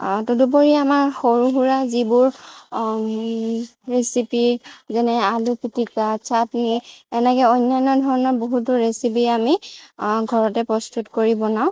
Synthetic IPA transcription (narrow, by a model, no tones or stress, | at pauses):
tudup̬oɹiamaɹxoɹuɦuɹazibʊɹ | ɹesipizɛnɛalupitikasʰatniɛnɛkɛɔjnːajnɔdʱɔɹɔnɔɹboɦutʊɹesip̬iami | ɡʱɔɹɔtɛpɹɔstʰutkoɹibɔnaʊ̃